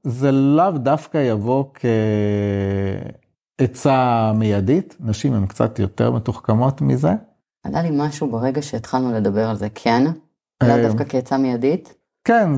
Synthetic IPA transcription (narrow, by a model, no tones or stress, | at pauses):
zelavdafkajavo̞kʰe | et͡samejaditnaʃimhemkt͡sa̰tjoteʁmetuχkamo̞tmize | alalimaʃubeʁeɡaʃeːt̪χalnule̞d̪abe̞ʁalzekʰen | avdafkakeːt͡samejadit | kɛn